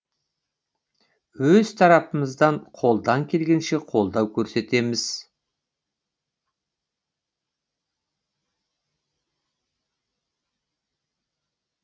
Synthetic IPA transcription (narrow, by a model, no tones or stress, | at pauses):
wɵz̥t̪ʰɑɾɑpəməzd̪ɑɴqʰo̞lˠd̪ɑŋkʲʰe̞lɡʲe̞nʃe̞qʰo̞lˠd̪ɑwkʲʰɵɾse̞t̪e̞mɪz̥